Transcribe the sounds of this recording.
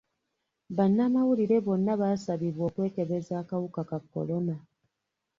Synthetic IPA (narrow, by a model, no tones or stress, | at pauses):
βanːamawuliɾe̞βo̞nːaβaːsaβiβwo̞ːkwe̞ːke̞βe̞zaːkawukakakːo̞̰lo̞na